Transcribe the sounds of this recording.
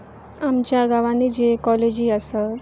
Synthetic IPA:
amt͡ɕjaɡaʋanid͡ʑekɔled͡ʑiːəsə

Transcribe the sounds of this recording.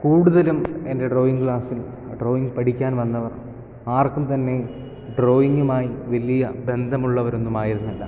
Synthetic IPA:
kuːɽuðɐlume̞nde̞ɖro̞ːiŋɡkɭaːsil | ɖroːiŋɡpɐʈʰikʲːaːnʋɐnːɐʋɐr | aːrkumt̪ɐnːe̞ | ɖro̞ːjiŋɡumaːjiʋɐlijɐbe̞nd̪ʱɐmuɭːɐʋɐɾo̞nːumaːjiɾunːulːɐ

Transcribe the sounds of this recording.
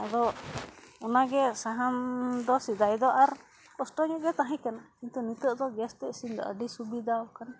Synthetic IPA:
ad̪ɔ | ɔnaɡɛsaɦamd̪ɔsid̪ajd̪ɔʔaɾ | kɔsʈɔɲuʔɡɛt̪aɦɛ̃kanakint̪unit̪əʔd̪ɔɡɛst̪ɛʔsiɲd̪ɔ̰ʔəɖisubid̪aɔkan

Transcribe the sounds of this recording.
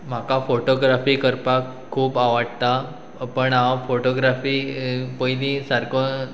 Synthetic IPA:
m̤akafoʈoɡɾafiːkəɾpakʰːuːpaʋaɽt̪a | pəɳawfoʈoɡɾafiːpəjlisaɾkə

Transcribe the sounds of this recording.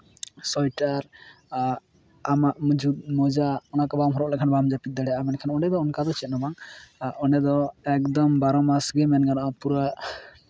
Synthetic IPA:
sɔjʈaɾ | amaʔmud͡ʒut̪̚mɔd͡ʒaɔnakɔbamɦɔɾɔʔlɛʔkʰanbamd͡ʒapit̪̚d̪aɽɛʔamɛnkʰanɔnɛd̪ɔɔnkad̪ɔt͡ʃɛt̪̚nɔmaŋʔɔnɛd̪ɔɛk̚d̪ɔmbaɾɔmasɡɛmɛnɡanaʔɔpuɾa

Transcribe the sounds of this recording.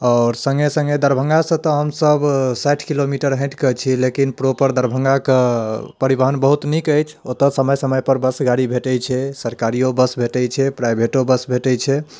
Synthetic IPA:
ɔːɾsə̃ŋɡesə̃ŋɡed̪əɾbʱə̃ŋɡasə̃t̪ɔɦəmsəbsaʈʰkilomiʈəɾɦə̃ʈkət͡ʃʰilekinpɾopəɾd̪əɾbʱə̃ŋɡakpəɾibəɦənbəɦut̪nikəjt͡ʃʰot̪əsəməjsəməjpəɾbəsɡaɽibʱeʈɛjt͡ʃʰɛsəɾkaɾiobəsbʱeʈɛjt͡ʃʰɛpɾajbʱeʈobəsbʱeʈɛjt͡ʃʰɛ

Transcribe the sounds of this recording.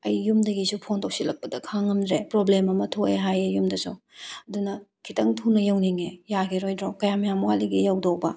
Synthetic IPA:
ɐjːumdɐɡisupʰontowsilɐk̚pɐdɐkʰaŋɐmdɾepɾoblemɐmɐtʰoeɦajejumdɐsow | ɐdunɐkʰitɐŋtʰunɐjɐwniŋejaɡʰiɾojdɾokɐjamɐjaŋmuwaliɡijawdowbɐ

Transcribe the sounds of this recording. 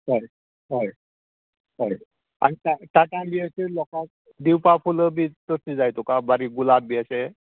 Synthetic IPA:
ɦɔj | ɦɔj | ɦɔj | a̰nitat̪aʈambiaselɔkak̚ | d̪iwpapʰuləbit̪ɔsʰizajt̪ukabaɾiɡulab̚biase

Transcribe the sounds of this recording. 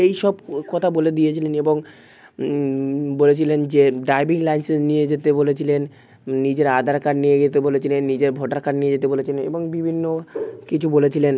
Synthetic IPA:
ejʃɔbkɔt̪ʰaboled̪ijet͡ɕʰileneboŋ | bolet͡ɕʰilend͡ʑeɖajbiŋlajnsenijed͡ʑet̪ebolet͡ɕʰilenː | id͡ʑeɾad̪ʱaɾkaɾnijeɡet̪ebolet͡ɕʰilenːid͡ʑeɾbʱoʈaɾkaɽnijed͡ʑet̪ebolet͡ɕʰileneboŋbibʱinːokit͡ɕʰubolet͡ɕʰilen

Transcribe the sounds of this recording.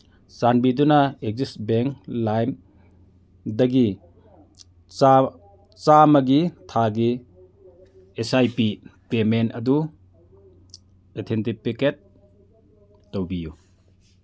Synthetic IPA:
sanbidunɐek̚zisbeŋklajm | dɐɡi | t͡ʃamɐɡitʰaɡi | esajpipemenɐdu | etʰentipiket̚ | owbiju

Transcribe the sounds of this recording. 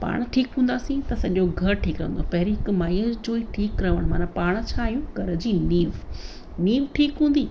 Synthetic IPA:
pa̰ːɽ̃ʈʰiːkɦũːnd̪aːsĩt̪ɐsɐʄoɡʱɐɾʈʰiːkɾɐ̰̃ə̃nd̪opɐɦɪɾiɦɪkmaːiəd͡ʑoːiʈʰiːkɾɐʋəɽ̃maːnãpaːɽ̃̆t͡ɕʰaːijũɡʱɐɾə̆d͡ʑiːniːʋ | niːʋʈʰiːkɦũːnd̪iː

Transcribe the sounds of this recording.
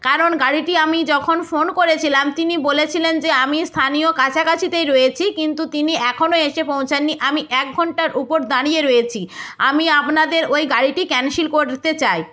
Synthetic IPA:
kaɾonɡaɽiʈiamid͡ʑɔkʰonfonkoɾet͡ɕʰilamt̪inibolet͡ɕʰilend͡ʑeamist̪ʰanijokat͡ɕʰakat͡ɕʰit̪ejɾoet͡ɕʰikint̪ut̪iniɛkʰonoeʃepõw̃t͡ɕʰanːiʔamiʔɛk̚ɡʱɔɳʈaɾʔupoɾd̪aɽieɾɔet͡ɕʰia̰miapnad̪eɾojɡaɽiʈikɛnʃilkoɾt̪et͡ɕaj

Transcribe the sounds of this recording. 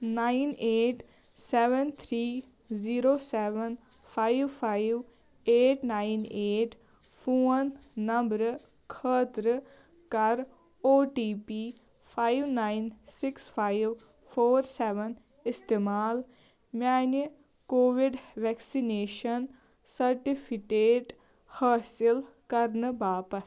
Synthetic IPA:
naːineːʈ | sɛːʋənt̪ʰɾiː | ziːɾoːsɛːʋən | pʰaːiʋpʰaːiʋ | eːʈnaːineːʈ | pʰuːənːəmbɾ | kʰəːt̪ɾ | kɐɾ | oːʈiːpiː | pʰajʋnaːinsɪkspʰajʋ | fʰoːɾseːʋən | ɪst̪eːmaːl | maːn | koːʋiɖʋɛksineːʃɐn | sɐɾʈipʰikeːʈ | haːsil | kɐɾnɨbaːpɐs

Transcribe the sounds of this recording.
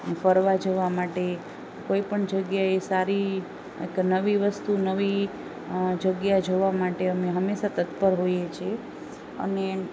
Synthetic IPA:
nefəɾʋad͡ʒəʋamaʈe | koipəɳd͡ʒəɡjaesaɾi | ḛknəʋiʋəst̪unəʋi | d͡ʒəɡjad͡ʒoʋamaʈeəmeɦəmːeʃat̪ət̪pəɾɦojet͡ʃʰie | ə̰ne

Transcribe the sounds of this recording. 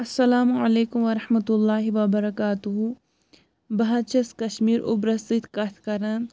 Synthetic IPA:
ɐsːɐlaːmuʕɐleːkumʋɐɾɐħmɐt̪ulːaːɦiʋɐbɐɾɐkaːt̪uɦu | bɐɦat͡ʃɐskɐʃmiːɾʔʊ̰bɾɐsit̪kɐt̪ʰkɐɾɐn

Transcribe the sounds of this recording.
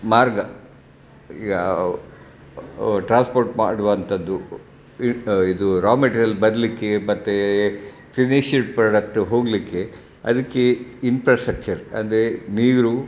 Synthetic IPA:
maːɾɡɐ | ḭːɡɐ | ʈɾaːnspoːɾʈma̰ːɽuʋɐnt̪ʰɐd̪ːu | id̪uɾaːmɐʈiɾijɐlbɐd̪ɐlikːemɐt̪ːe | pʰiniʃiʈpɾɐɖɐk̚ʈɦo̞ːɡlikːe | ɐ̰d̪ɐkːeinpɾaːsʈɾɐk̚t͡ʃɐɾɐ̰nd̪ɐɾeniːɾu

